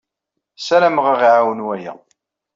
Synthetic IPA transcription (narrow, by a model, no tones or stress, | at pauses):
sælæmʁəʁʕawənwæjæ̰